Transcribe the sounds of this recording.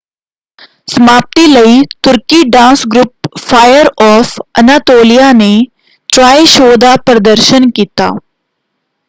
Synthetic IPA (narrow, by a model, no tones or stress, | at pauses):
səmaːp̚t̪iːləiːt̪ʊɾkiːɖãːnsɡɾʊp̚fʰaːjəɾɔːfənaːt̪oːlijaːne | ʈɾaːiʃoːd̪aːpɾəd̪əɾʃənkiːt̪a̰ː